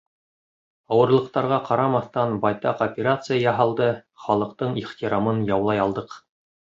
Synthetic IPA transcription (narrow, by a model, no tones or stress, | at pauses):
ɑwɤ̆ɾlˠɤ̆q̚t̪ɑɾʁɑqɑɾɑmɑθt̪ɑnbɑjt̪ɑqopʲɪɾat̪sɨjajɑɦɑlˠd̪ɤχɑlˠɤ̆qt̪ɤɴiχt̪ʲiɾamɤnjɑwlˠɑjɑlˠd̪ɤq